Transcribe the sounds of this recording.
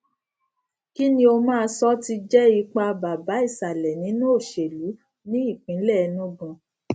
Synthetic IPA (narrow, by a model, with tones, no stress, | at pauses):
ki˦nĩ˦o˧mãː˦˧sɔ˦ti˧d͡ʒɛ˦i˧k͡pa˧ba˨ba˨˦i˦˨sa˨lɛ˨nĩ˨˦nũ˦o˦˨ʃe˨lu˨˦ | nĩ˦i˦˨k͡pĩ˨˦lɛ˦˨˧nũ˦bɔ̃˧